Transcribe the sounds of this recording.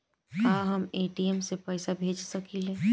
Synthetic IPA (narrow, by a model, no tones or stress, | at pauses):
kaːɦəmeːʈiemsepɛːsabʱeːd͡ʒsɐkilẽ